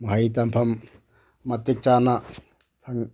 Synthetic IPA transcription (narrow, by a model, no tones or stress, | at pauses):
maɦait̪ampʰam | mat̪ek̚t͡ʃana | t̪ʰaŋ